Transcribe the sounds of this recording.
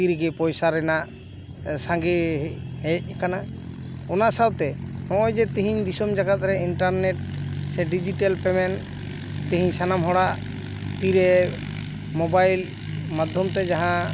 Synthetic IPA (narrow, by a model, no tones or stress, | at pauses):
t̪iɾɛɡɛpɔjsaɾɛnaʔ | sãŋɡɛhɛc̚ˀkana | ɔnaʔsawt̪ɛnɔ̃ʔɔjd͡ʒɛt̪iɦiɲd̪isɔmd͡ʒaɡat̪̚ɾɛiɳʈaɾnɛʈ̚sɛɖid͡ʒiʈalpɛmɛn | t̪ĩɦiɲsanamɦɔɽaʔ | t̪iɾɛ | mɔbajl | mad̪ʱjɔmt̪ɛd͡ʒaɦã